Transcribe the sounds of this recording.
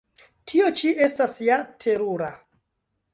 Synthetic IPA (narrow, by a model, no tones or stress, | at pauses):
tʰio̞t͡ʃiʔe̞stasjatʰe̞ɾuɾa